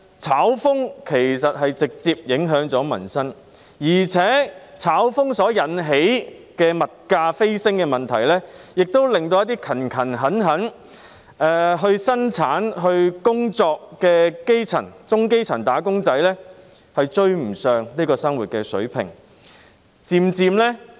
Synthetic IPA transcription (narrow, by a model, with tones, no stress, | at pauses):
t͡sʰaː˨˥wfʊ˥ŋkʰe˨˩jsɐ˨t̚ɦɐ˨jt͡sɪ˨k̚t͡siː˧p̚jɪ˨˥ŋɦœː˨˥ŋt͡sɔː˨˥mɐ̰˨˩nsɐ˥n | jiː˨˩t͡sʰɛː˨˥t͡sʰaː˨˥wfʊ˥ŋsɔː˨˥jɐ˨˥nɦe˨˥j | kɛː˧mɐ˨t̚kaː˧fe˥jsɪ˥ŋkɛː˧mɐ˨nt̪ʰɐ˨˩jlɛː˥jɪ˨k̚t̪o˥wlɪ˨ŋt̪̬o˧wjɐ˥t̪iː˥kʰɐ˨˩nkʰɐ˨˩nɦɐ˨˥nɦɐ˨˥n | ɛː˨ɦɵ˧ɥsɐ˥nt͡sʰaː˨˥nɦɵ˧ɥkʊ˥ŋt͡sɔː˧k̚ːɛː˧ke˥jt͡sʰɐ̰˨˩nt͡sʊ˥ŋke˥jt͡sʰɐ˨˩nt̪aː˨˥kʊ˥ŋt͡sɐ˨˥jlɛː˥ | hɐ˨jt͡ʃɵ˧ɥm̩˨˩sœː˨ŋliː˥kɔː˧sɐ˥ŋwuː˨t̚kɛː˧sɵ̰˨˥ɥpʰɪ̰˨˩ŋ | t͡siː˨˧mt͡siː˧mlɛ˥